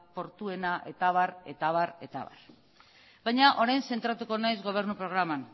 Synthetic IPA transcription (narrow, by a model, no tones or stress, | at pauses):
po̞ɾt̪ue̞naʔe̞t̪aβaɾe̞̰t̪aβaɾe̞̰t̪a̰βa̰r | bajɲaʔo̞ɾajnse̞nt̪ɾat̪uko̞najzɣo̞β̞e̞ɾnupɾo̞ɣ̞ɾaman